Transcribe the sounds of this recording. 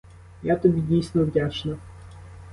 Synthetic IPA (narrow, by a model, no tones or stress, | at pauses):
jat̪ɐbʲidʲejst̪vʋəjʲaʂnɐ